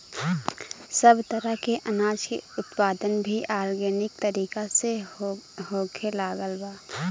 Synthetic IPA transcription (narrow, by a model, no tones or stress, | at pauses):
səbt̪əɾəɦkeʔənaːd͡ʒkḛʊt̪paːd̪ənbʱiʔaːɾɡenɪk̚t̪əɾiːkase | hoːkʰelaːɡəlbaː